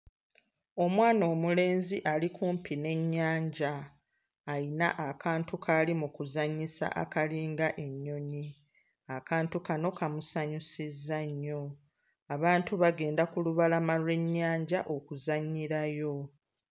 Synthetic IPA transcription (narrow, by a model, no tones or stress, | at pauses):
o̞mwaːnoːmule̞ːnziʔalikʰuːmpine̞ɲːaːɲɟaː | ina̰ʔakaːntukʰalimukuzaɲːisa̰ʔa̰kaliːŋɡaʔe̞ɲːo̞ɲi | akaːntukano̞kamusaɲusizːaɲːo̞ | aβaːntuβaɡe̞ːndakuluβalamalwe̞ɲːaːɲɟaʔo̞kuzaɲːiɾajo̞